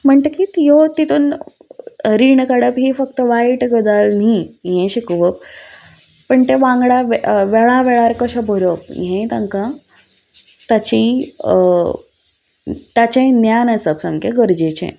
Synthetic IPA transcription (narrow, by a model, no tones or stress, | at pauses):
m̤əɳt̪əkit̪jot̪it̪uːn | ɾiɳkaɽəpɦiːfək̚t̪əʋaiʈɡəd̪alnĩjẽɕikʋəp̚ː | əɳt̪eʋãŋɡɽaʋʋeɭãʋeɭaɾkəɕabʱoɾjop̚jẽt̪ãŋkã | t̪at͡ɕi | t̪at͡ɕẽnjanasəpsəmkʰeɡəɾd͡ʑet͡ɕḛ̃